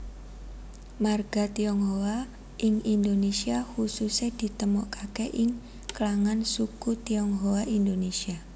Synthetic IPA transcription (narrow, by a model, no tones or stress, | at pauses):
marɡ̥a̤t̪iɔŋɦowa | ʔɪŋind̪onesiahusused̪̥i̤t̪əmɔʔkakeʔɪŋ | klaŋansukut̪iɔŋɦowaind̪onesia